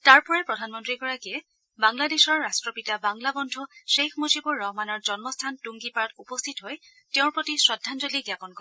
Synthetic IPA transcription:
taɹpɔɹɛpɹɔdʱanmɔntɹiɡɔɹakiɛ | baŋladesɔɹːastɹɔpitabaŋlabɔndʱuʃexʰmozibɔɹːɔɦmanɔɹzɔnmɔstʰantuŋɡipaɹɔtupɔstʰitɦoj | teʊ̃ɹpɹotisɹɔdʱːanzoliɡjakɔnkɔɹɛ

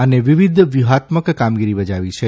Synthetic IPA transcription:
əneʋiʋid̪ʱʋjuɦat̪məkkamɡiɾibəd͡ʒaʋit͡ʃʰe

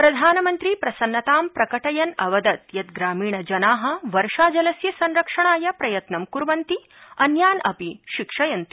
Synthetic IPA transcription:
pɾɐd̪ʱaːnɐmɐnt̪ɾiːpɾɐsɐnːɐt̪aːmpɾɐkɐʈɐjɐnɐʋɐd̪ɐt̪jɐt̪ɡɾaːmiːɳɐd͡ʒɐnaːɦɐ̆ʋɐɾʂaːd͡ʒɐlɐsjɐsɐnɾɐkʂɐɳaːjɐpɾɐjɐt̪nɐmkuɾʋɐnt̪i | ɐnjaːnɐpiʃikʂɐjɐnt̪i̥

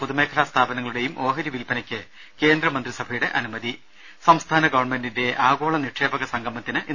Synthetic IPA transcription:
puðume̞ːkʰɐlast̪ʰaːbɐnɐŋːɐɭuɽe̞jumʔo̞ːɦɐɾjiʋilpɐnɐkʲːɨ | ke̞ːnd̪rɐmɐnd̪risɐbʱɐjuɽe̞ʔɐnumɐði | sɐmst̪ʰaːnɐɡɐʋɐrɳme̞ndinde̞ʔaːɡo̞ːɭɐniʈʂe̞ːbɐɣɐsɐŋɡɐmːɐt̪ːinɨʔi

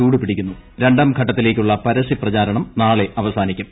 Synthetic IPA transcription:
uːɽipiɽikʲːunːuɾe̞ɳɖaːmɡʱɐʈːɐt̪ːile̞ːkʲːuɭːɐpɐɾɐsiprɐt͡ɕaːɾɐɳɐmnaːɭe̞ɐʋɐsaːnikʲːum

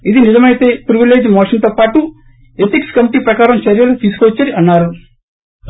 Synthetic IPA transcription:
id̪inizɐmɐjt̪e̞ːpɾiʋile̞ːd͡ʒmɔːʂɐnt̪oːpaːʈu | et̪ikskɐmiʈiːpɾɐkaːɾɐmt͡ʃɐɾjɐlut̪iːsu̥kʋɐt͡ʃːɐɾiɐnːaːɾu

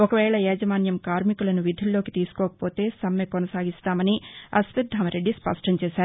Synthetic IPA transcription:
ɔkɐʋɛːɭɐɛːd͡ʒɐʋaːnjɐmkaːɾmikulɐnuʋid̪ʱulːo̞ːkit̪iːsu̥kɔːkɐ̥po̞ːt̪e̞ːsɐmːekɔnɐsaːɡist̪aːmɐniɐsʋid̪̚d̪ʱɐmɐɾe̞ɖːispɐ̰ʂʈɐmt͡ʃeːʃaːɾu

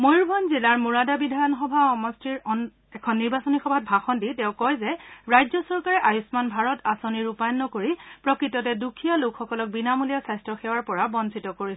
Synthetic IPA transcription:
mojɹbʱɔnzilaɹmuɹadabidʱajɔnxɔbʱaɔmɔstiɹɔn | ɛkʰɔnːiɹbasonixɔbʱat̚bʱaxɔnditɛʊ̃kɔjzɛɹajzɔsɔɹkaɹɛʔajusmanbʱaɹɔtʰasoniɹupajɔnːɔkoɹipɹɔkɹitɔtɛdukʰijalokxɔkɔlɔk̚binamulijasajstɹɔxɛwaɹpɔɹabɔnsitɔkoɹis

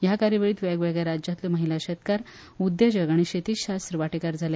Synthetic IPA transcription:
jakaɾjəʋəɭiːt̪ʋaɡʋɛɡɭjɛɾad͡ʑat̪lɔməɦilaɕət̪kaɾ | ud̪jəd͡ʑəɡaɽ̃iɕet̪iːɕast̪ɾəʋaʈekaɾd͡zʱalja

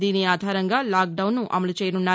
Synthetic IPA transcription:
d̪iːniaːd̪ʱaːɾɐŋɡaːlaːk̚ɖɐwnːuʔɐ̰mɐlut͡ʃɛːjɐnunːaː

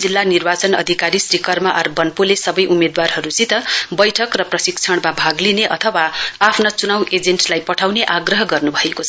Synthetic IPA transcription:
d͡zilːanirbat͡sʌnʌ̰d̪ʱikaɾisɾikʌrmaʔʌrbʌnpulesʌbʌjʔumed̪warɦʌɾut͡sit̪ʌbʌjʈʰʌkrʌprʌsikt͡sʰʌɽ̃mabʱaɡlineʔʌt̪ʰʌwaapʰnat͡sunawʔed͡zenʈlajpʌʈʰawneʔaɡrʌɦʌɡʌrnubʱʌekot͡sʰʌ

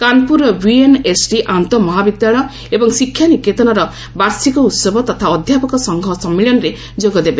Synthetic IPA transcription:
kanpuɾɔbienesɖiʔant̪ɔmɔɦabid̪jaɭɔ | ebɔŋsikʰːjanikːet̪ɔnaɾɔ | baɾsikɔut̪sɔbɔt̪ɔt̪ʰaɔd̪ʱjapɔkɔsɔŋɡʱɔsɔmːiɭjɔnɔɾe | d͡ʒoɡɔd̪ebe

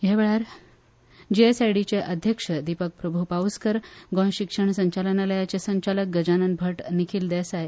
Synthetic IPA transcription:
jeʋeɭaɾ | d͡ʑiesajɽit͡ɕeʔəd̪ʱjəkʂəd̪ipək̚pɾəbʱupauskəɾɡɔ̃ɕikʂəɳsəɲt͡ɕalənaləjat͡sesəɲt͡ɕalək̚ɡəd͡ʑanənbʱəʈnikʰiːld̪ɛsaj

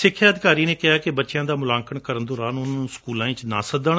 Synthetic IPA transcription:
sɪkʰːjaːəd̪ɪkaːɾiːneːkɪɦaːkɪbətːʃɪjãːd̪aːmʊlãːŋkəɳkəɾənd̪ʊɾaːnʊnːnũːskuːlãːĩːt͡ʃna̰ːsəd̪əɳ

